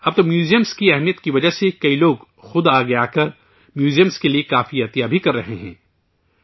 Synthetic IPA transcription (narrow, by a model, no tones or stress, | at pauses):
ɐb̚t̪omjuːzijəmskiɛɦmijət̪kiʋɐd͡ʒasekɐiloːɡ | xʊd̪aːɡɐjakɐɾ | mjuːzijəmskeliekaːfiɐt̪ijabʱikɐɾːɐɦeɦɛ̰̃ː